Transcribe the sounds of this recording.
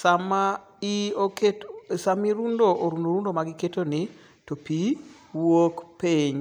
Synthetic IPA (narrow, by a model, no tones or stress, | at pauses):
sama | ɪoketsamiɾundoʔoɾundoɾundomaɡɪketonɪ | topi | wokpeɲ